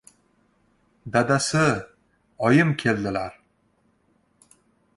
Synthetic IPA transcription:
d̪ad̪asɪ | ɒjɪmkʲʰe̞ld̪ɪlaɾ

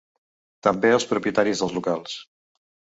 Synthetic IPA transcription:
t̪əmbeəlˠspɾupjiət̪aɾizðəlˠzlukalˠs

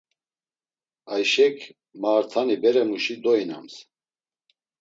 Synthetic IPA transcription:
ajʃɛkʰ | maːɾt̪ʰanibɛɾɛmuʃid̪ɔina̰ms

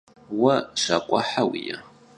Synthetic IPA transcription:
wɐʂakʷʼaħawija

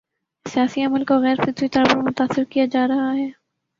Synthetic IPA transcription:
sijaːsiɐməlkoɣɛːɾfɪt̪wit̪ɔːɾpɐɾmʊt̪aːsɪɾkijad͡ʒaːɾɐɦaɦɛː

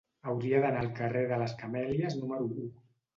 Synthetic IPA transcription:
əwɾiəðənaːlˠkəreðələskəmɛləznuməɾuu

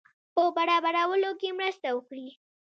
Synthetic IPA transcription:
pəbaɽɑbaɽawəlokemɾəst̪awəkɽi

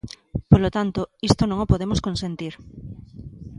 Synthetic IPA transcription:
polot̪ant̪oist̪onõŋopoðemoskõnsẽnt̪iɾ

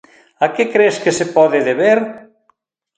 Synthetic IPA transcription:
akɪkɾeskesepɔðɪðeβeɾ

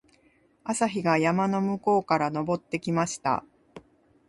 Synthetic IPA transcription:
asaçiɡajamano̞mɯ̟ko̞ːkaɾano̞bo̞t̪ːe̞kʲimaɕi̥t̪a̰

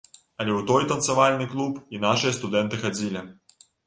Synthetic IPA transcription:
ɐlʲɛwt̪ɔjt̪ɐnt̪savalʲnɨklˠupinaʂɨjɐst̪ud̪ɛnt̪ɨxad͡zʲilʲi

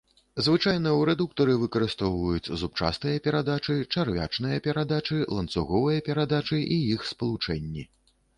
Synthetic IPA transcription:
zvɨt͡ʂajn̪ɐwɾɛd̪uk̚t̪ɐɾɨvɨkɐɾɨst̪ɔwvɐjut͡sʲzup̚t͡ʂa̰st̪ɨjɐpʲɛɾad̪at͡ʂɨt͡ʂarvʲa̰t͡ʂnɨjɐpʲɛɾad̪at͡ʂɨlˠɐnt̪suɣɔvɨjɐpʲɛɾad̪at͡ʂɨʔijixspɐlˠut͡ʂɛnʲːḭ

